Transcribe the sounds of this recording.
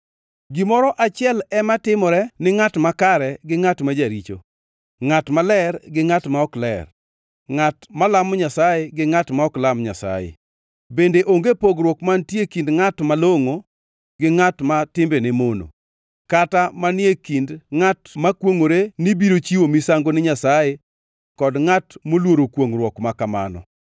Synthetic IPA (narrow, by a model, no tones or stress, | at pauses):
ɡɪmɔɾɔʔat͡ʃɪɛlɛmatɪmɔɾɛnɪŋatmakaɾɛɡɪŋatmad͡ʒaɾit͡ʃo̰ | ŋatmalɛrɡɪŋatmaɔklɛ̰r | ŋatmalamɔɲasajeɡɪŋatmaɔklamɲa̰sa̰jḛ | bendeʔoŋɡepoɡɾwɔkmantjekindŋatmaloŋo | ɡɪŋatmatɪmbenemono̰ | katamanɪekindŋatmakwoŋoɾenibiɾot͡ʃiwomisaŋɡonɪɲasaje | kɔdŋatmolwoɾokwoŋrwɔkmakamanɔ̰